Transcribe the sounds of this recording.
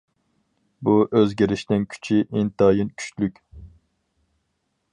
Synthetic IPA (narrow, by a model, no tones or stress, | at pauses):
buʔøzɡʲiɾɪʃnɪnkʲʰy̥t͡ʃʰiʔent̪ɑːjinkʲʰy̥ʃlykʲ